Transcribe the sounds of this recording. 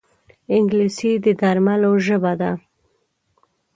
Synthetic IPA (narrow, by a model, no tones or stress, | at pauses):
ɪŋɡlisid̪əd̪aɾmaloʒəbad̪a